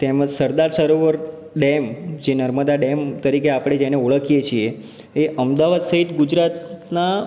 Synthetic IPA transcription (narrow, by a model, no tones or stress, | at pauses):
t̪eməd͡ʒsəɾd̪aɾsəɾoʋəɾ | ɖemd͡ʒenəɾməd̪aɖemt̪əɾikeapɽ̃ed͡ʒɛneoɭəkʰijet͡ʃʰie | eʔəmd̪aʋad̪səɦit̪ɡud͡ʒɾat̪na